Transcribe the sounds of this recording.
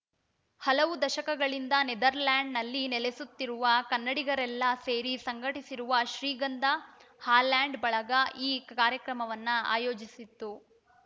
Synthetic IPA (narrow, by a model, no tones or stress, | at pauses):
hɐlɐʋud̪ɐʃɐkɐɡɐɭind̪ɐned̪ɐɾlaːɳɖnɐlːinɛlesut̪ːiɾuʋɐkɐnːɐɽiɡɐɾɛlːɐseːɾisɐŋɡʱɐʈisiɾuʋɐʃɾiːɡɐnd̪ɐhaːlaːɳɖbɐɭɐɡɐʔiːkaːɾjɐkɾɐmɐʋɐnːɐa̰ːjoːd͡ʒisit̪ːu